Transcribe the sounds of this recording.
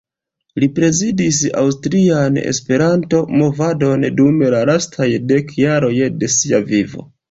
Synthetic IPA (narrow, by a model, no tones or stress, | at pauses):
lipɾe̞zidis̬a̰ws̬tɾiane̞̰spe̞ɾanto̞mo̞vado̞ndume̞lalastʰajde̞kjaɾo̞jde̞siavivo̞̰